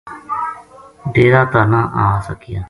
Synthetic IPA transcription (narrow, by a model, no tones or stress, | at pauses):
ɖeːɾaːt̪anãːʔaːsəkɪjaː